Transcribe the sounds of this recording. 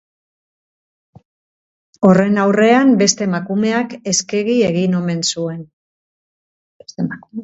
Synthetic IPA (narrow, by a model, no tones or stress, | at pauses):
o̞re̞nawre̞ambe̞st̪e̞makume̞ake̞ske̞ɣie̞ɣino̞me̞nsue̞n | est̪eak